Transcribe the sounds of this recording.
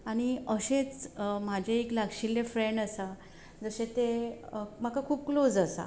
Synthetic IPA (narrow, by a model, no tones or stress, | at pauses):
aɽ̃iəɕet͡sm̤ad͡ʑʱeeklaɡɕilːefɾeɳɖəsa | d͡zəɕet̪e | m̤akakʰuːp̚klod͡zəsa̰